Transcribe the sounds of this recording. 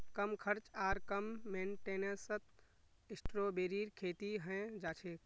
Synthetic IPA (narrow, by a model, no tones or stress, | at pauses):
kəmkʰəɾt͡ʃaːɾkəmːẽːnʈeːnesət̪̚ʰ | ɪsʈɾoːbeːɾiːɾkʰeːt̪iɦə̃d͡ʒaːt͡ʃʰeːk̚